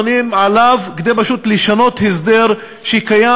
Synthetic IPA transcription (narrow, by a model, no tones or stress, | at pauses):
nimʕalavkd̪ejbaʃut̪liʃano̞t̪hesd̪eʁ | ʃeikaja